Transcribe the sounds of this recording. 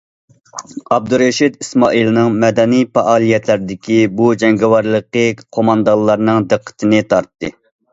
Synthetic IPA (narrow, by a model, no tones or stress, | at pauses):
ɑb̚d̪uɾɛʃid̪ismɑ̰ːʔilˠnɨŋmɛd̪ɛnijpɑʔɑːlˠijɛt̪ʰlɪɾd̪ɪkʲibud͡ʒɛŋɡɛwɑɾlˠəqəqʰomɑnd̪ɑllˠːɑɾnɨŋd̪ɨqʰːə̥t̪ʰɪnɨt̪ʰɑɾt̪ːɨ